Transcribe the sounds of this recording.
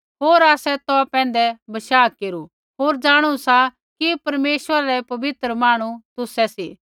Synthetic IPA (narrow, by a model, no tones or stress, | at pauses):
ɦoːɾaːsɛt̪ɔpɛ̃ːn̆d̪ɛbɐʃaːkeːɾu | ɦoːɾd͡ʒaːɽ̃usa | kipɐɾmeːʃwəɾaɾɛpɐbɪt̪ɾəmaːɽ̃ut̪ʊsɛsḭ